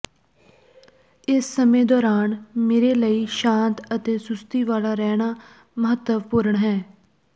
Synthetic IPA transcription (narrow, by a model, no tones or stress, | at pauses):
ɪsːəmẽːd̪ɔːɾaːnmeːɾeːləiːʃãːnt̪ət̪eːsʊst̪iːʋaːlaːɾɛːɽ̃aː | məɦət̪ːəʋpʊɾəɳɦɛː